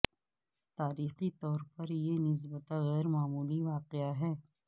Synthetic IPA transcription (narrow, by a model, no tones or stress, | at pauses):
t̪aːɾiːxit̪ɔːɾpɐɾjenɪs̬bət̪aɣɛːɾmaːmuːliʋaːqɪaɦɛː